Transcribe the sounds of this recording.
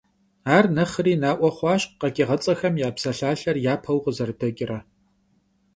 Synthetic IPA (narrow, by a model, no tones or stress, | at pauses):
aːrnɐχəriːnaːʔʷɔχʷɑːɕqɐkʲʼɪʁɐt͡sʼɐxɐmjaːpsɐɬaːɬɐrjaːpʰɐwqəzɐrdɐkʲʼɪrɐ